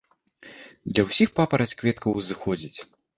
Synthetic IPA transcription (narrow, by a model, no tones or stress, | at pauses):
d̪lʲɐwsʲixpapɐɾɐt͡sʲkvʲɛt̪kɐwzɨxɔd͡zʲit͡sʲ